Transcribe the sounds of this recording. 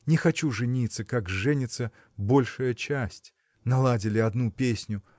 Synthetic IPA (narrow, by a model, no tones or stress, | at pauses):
nʲɪxɐt͡ɕuʐɨnʲit̪səkakʐɛnʲɪt̪sə | bo̞lʲʂəjət͡ɕæsʲtʲ | nɐlˠadʲɪlʲɪɐd̪nupʲesʲnʲʊ